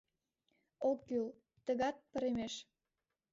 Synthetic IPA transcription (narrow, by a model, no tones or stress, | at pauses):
okːyl | t̪ə̆ɣɑt̪̚pə̆ɾemeʃ